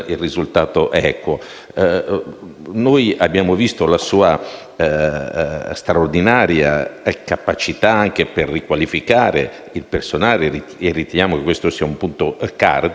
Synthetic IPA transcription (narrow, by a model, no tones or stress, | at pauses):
ilrizult̪aːt̪oʔɛːkwo | nojabːjaːmovist̪olasuːa | st̪ɾaord̪inaːɾja̰kapat͡ʃit̪aaŋkeperːikwalifikaːɾe | ilpersonaːleierːit̪enjaːmokekwest̪osiːaumpunt̪oka̰rd̪